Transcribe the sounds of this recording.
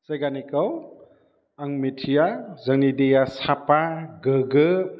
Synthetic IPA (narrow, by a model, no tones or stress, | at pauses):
sajɡanikɐw | aŋmitʰijazəŋnidejasapaɡəɡɯ